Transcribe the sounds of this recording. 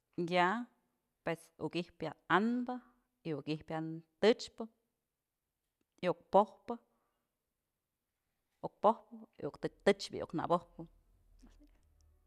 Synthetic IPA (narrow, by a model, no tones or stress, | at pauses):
ja | pwesṵkihpjaanbɨ | iukihpjat̪ɨt͡ʃpɨ | iuk̚pohpɨ | uk̚pohpɨiʔukt̪ɨk̚t̪ɨt͡ʃbʲḭʔṵkna̰bohpɨ